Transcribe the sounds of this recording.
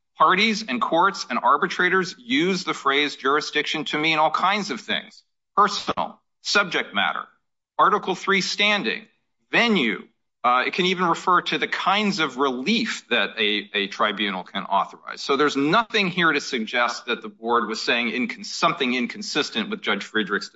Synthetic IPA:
pʰɑɹɾizɨ̃nkʰɔɹtsɨ̃nɑɹbɨtʰɹ̥eɪɾə˞zjʉzðɨfɹeɪzd͡ʒʊɹɨsd̥ɪkʃɨ̃ntʰɨmiɨ̃ñɔlˠkʰãɪ̃ndzʌv̥θɪ̰̃ŋz̥ | p̚ʰɜ˞snl̩ˠ | sʌb̚d͡ʒɨk̚t̚mæ̰ɾə̰˞ | ɑɹɾəkl̩ˠθɹistæ̃ndɪ̰̃ŋ | vɛ̃njʉ̰ | ɨ̰t̚kʰɨ̃nivɨ̃n̩ɹɨfɜ˞ɾɨðɨkʰãɪ̃ndzʌvɹɪlifðɨɾɨɨtʰɹ̥aɪbjʉnl̩ˠkʰɨ̰̃nɔ̰θə̰˞a̰ɪz̥soʊðə˞znʌθɪ̃ŋhiɹɾɨsɨɡ̚d͡ʒɛst̪̚ðɨt̪̚ðəbɔɹd̚wʌz̥seɪɪ̃ŋɪ̃nkʰn̩sʌ̃mθɪ̃ŋɪ̃nkʰn̩sɪstɨ̃nʔwɨðd͡ʒʌ̥ʒ̥fɹidɹɨks

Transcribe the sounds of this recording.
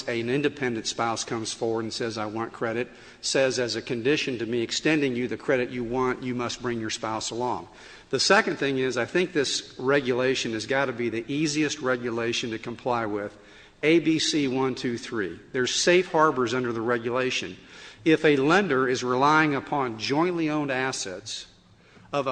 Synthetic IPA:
ɨ̃nɪ̃ndɨpʰɛ̃ndɨ̃n̩tspaʊskʰʌ̃mz̥fɔɹwə˞ɾn̩sɛzaɪwɑ̃nkʰɹ̥ɛɾɨt̚ | sɛzɨzɨkɨ̃ndɪʃɨ̃n̩tɨmiɨkstɛ̃ndɪ̃ŋjɨðɨkʰɹ̥ɛɾɨt͡ʃɨwɑ̃nɨmʌst̚b̥ɹɪ̃ŋjə˞spaʊsəlɔ̰̃ŋ | ðɨsɛkɨ̃nθɪ̃ŋɪzaɪθɪ̃ŋk̚ðɪsɹɛɡjɨleɪʃɨ̃nɨzɡɑɾɨbiðiʔiziɨst̚ɹɛɡjɨleɪʃɨ̃n̩tɨkʰə̃m̩pʰl̥aɪwɪð | eɪbisiwʌ̃ntʰʉθɹiðə˞z̥seɪfhɑɹbə˞zʌ̃ndə˞ðəɹɛɡjɨleɪʃɨ̃nɪfɨlɛ̃ndə˞ɪzɹɪlaɪɪ̃ŋəpʰɑ̃nd͡ʒɔ̃ɪ̃nʔliõʊ̃ndæsɛ̰ts | ʌv

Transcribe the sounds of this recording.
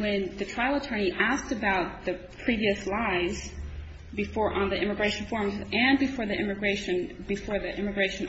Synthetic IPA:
wɨ̃nðɨtʰɹ̥aɪl̩ˠətʰɜ̃˞ñiʔæstɨbaʊt̪̚ðɨpʰɹ̥iviɨslaɪz̥ | bɨfɔɹʔə̃nðiʔɪ̃mɨɡɹeɪʃn̩fɔɹ̃mzɨ̃nbɨfɔɹðiʔɪmɨɡɹeɪʃɨ̃nbɨfɔɹðiʔɪmɨɡɹeɪʃɨ̃n

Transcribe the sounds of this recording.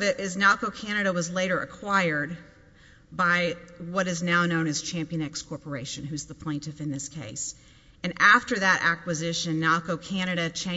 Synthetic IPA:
vɨɾʔɪznɑkoʊkʰæñɨɾɨwʌzleɪɾə˞ʔɨkʰw̥aɪə˞d̚ | baɪwʌɾɨznaʊnõʊ̃nɨz̥t͡ʃʰæ̃mpiɨ̃nɛkskʰɔɹpə˞eɪʃɨ̃nɦʉzðəpʰl̥ẽɪ̃ntɨfɨ̃nðɪskʰeɪs | ɨ̃nʔæftə˞ðɨɾʔæ̰kwɨzɪʃɨ̃nːɑkoʊkʰæñɨɾɨt͡ʃʰẽ

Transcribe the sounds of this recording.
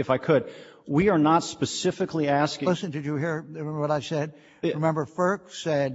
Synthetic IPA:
ɨfaɪkʰɨd̚wiə˞nətspɨsɪfɨkliæskɪ̃lɪsɨ̃ntɨt͡ʃɨɦiɹwʌɾaɪsɛd̚ | ɹɨmɛ̃mbə˞fɜ˞ksɛd̚

